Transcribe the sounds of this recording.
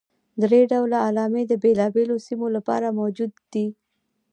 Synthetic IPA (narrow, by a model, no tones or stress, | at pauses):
d̪ɾeɖawlaːlɑmed̪əbelɑbelosimolapɑ̰ɾamawd͡ʒud̪ːi